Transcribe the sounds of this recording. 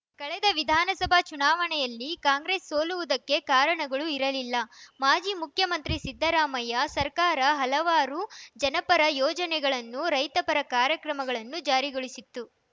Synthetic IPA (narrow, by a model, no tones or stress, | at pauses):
kɐɭɛd̪ɐʋid̪ʱaːnɐsɐbʱat͡ʃunaːʋɐɳɛjɐlːikaːŋɡɾe̞ːsːoːluʋud̪ɐkːe̞kaːɾɐɳɐɡɐɭuiɾɐlilːɐmaːd͡ʒiːmukʰjɐmɐnt̪ɾisid̪ʱːɐɾaːmɐjɐsɐɾkaːɾɐɦɐlɐʋaːɾud͡ʒɐnɐpɐɾɐjɔːd͡ʒɐnɛɡɐɭɐnːuɾɐjt̪ɐpɐɾɐkaːɾjɐkɾɐmɐɡɐɭɐnːud͡ʒaːɾiɡoɭisit̪ːu